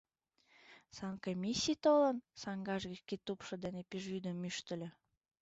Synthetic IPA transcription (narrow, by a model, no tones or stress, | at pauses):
sɑnkomʲisʲijt̪olə̆nsɑŋɡɑʒɣikit̪upʃɤ̆d̪enepiʒyd̪əmːyʃt̪ə̆lʲø̆